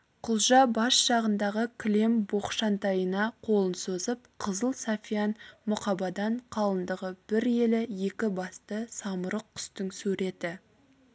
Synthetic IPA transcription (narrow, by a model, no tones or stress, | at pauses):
qʰʊlˠʒɑbɑsʃɑʁənd̪ɑʁəkʲʰɪle̞mbo̞χʃɑnt̪ɑjənɑqʰo̞lˠənsozəpqʰəzəlˠsafʲijɑnmʊqɑbɑd̪ɑɴqʰɑlˠənd̪əʁəb̥ɪɾje̞lɪje̞kʲɪbɑst̪əsɑməɾəq̚tʲʰʏ̥st̪ɪŋsɵɾe̞t̪ɪ